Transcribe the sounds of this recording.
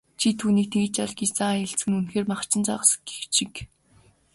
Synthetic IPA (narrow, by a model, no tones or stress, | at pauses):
t͡ɕʰit̪ʰuːniːk̚t̪ʰeɣɘ̆t͡ɕaɮɡisaeɬt͡sɘ̆ŋunxeːrmaχt͡ɕɪ̆nt͡sɔ̰ʁə̆s̆ɡe̥xt͡ɕɪ̆k